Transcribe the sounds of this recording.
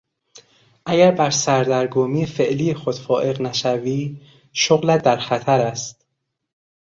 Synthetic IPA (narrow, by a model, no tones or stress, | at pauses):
ʔæɟæɾbæɾsæɾd̪æɾɡoːmiːefe̞ʔliːjexod̪̥fɒːʔe̞ɣnæʃæviː | ʃoɣlæd̪æɾxæt̪ʰæɾæst̪